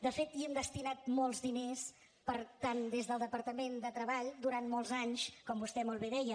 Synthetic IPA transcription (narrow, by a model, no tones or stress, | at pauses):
d̪əfet̪iɛmd̪əst̪inat̪̚mɔlˠzðines | pəɾt̪and̪ezðəlˠd̪əpəɾt̪əmend̪ət̪ɾəβaʎd̪uɾant̪mɔlˠzaɲskɔmbust̪ɛmɔlˠβeðɛjə